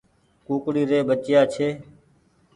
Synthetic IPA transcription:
kuːkɽiːɾeːɓət͡ʃjaːt͡ʃʰeː

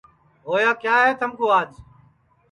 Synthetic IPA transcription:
ɦoːjaːkjaːɦeːt̪əmkoːaːd͡ʒ

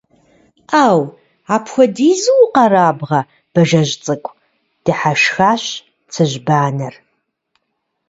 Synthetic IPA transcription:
aːw | aːpʰxʷɔdiːzɨwqɐraːbʁɐ | b̥ɐʒɐʑt͡sʼɨkʷʼʰ | d̥ɨħaʃxaːɕ | t͡sʰɨʒbaːnɐr

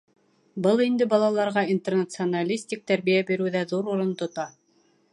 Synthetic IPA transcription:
bɤlˠind̪ɘbɑlˠɑlˠɑɾʁɑint̪ernat̪sɨonalʲisʲt̪ʲik̚t̪æɾβijæbiɾʉwðæðuɾuɾɤnt̪ŏt̪ɑ

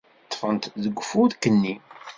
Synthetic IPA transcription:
t̪ˤːfənt̪ðəɡʷːfuðkənːi

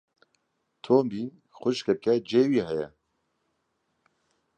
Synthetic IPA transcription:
t̪ʰoːmbiːn | xʷʊʃkɛkɛd͡ʒeːwiːɦɛjɛ̰

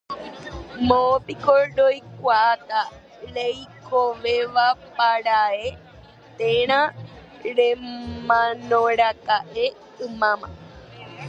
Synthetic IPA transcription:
mõpikoɾɾojkʷaat̪a | ɾejkoʋeʋapaɾae | t̪ẽɾ̃ã | ɾemãnõɾakaʔe | ɨmãmã̰

